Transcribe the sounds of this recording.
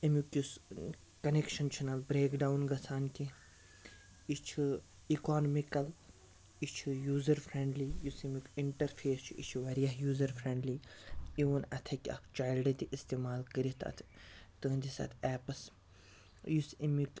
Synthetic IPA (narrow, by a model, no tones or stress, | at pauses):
imjukjus | kɐnekʃɐnt͡ʃʰɐnɐlbɾeːkɖawnɡɐsʰaːnki | it͡ʃʰu | ikaːnmikɐl | it͡ʃʰujuːzɐɾfʰɾẽɳɖlijusimʲukiɳʈɐɾfʰeːst͡ʃʰuit͡ʃʰuʋɐɾijɐɦjuːzɐɾfʰɾẽɳɖliiʋɐnɐt̪ʰɐkʲɐ̰kt͡ʃaːjlɖɐt̪iʔst̪eːmaːlkəɾit̪ʰɐ̰t̪ʰt̪əːnd̪isɐ̰t̪ʰɛːpɐs | jusimuk